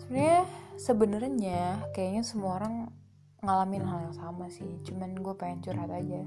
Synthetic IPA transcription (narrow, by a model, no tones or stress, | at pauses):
sɲasəbənərɲakajaɲasəmuaoɾaŋː | alamɪnhaljaŋsamasɪht͡ʃumanɡuapaaɲt͡ʃuɾhat̪ad͡ʒa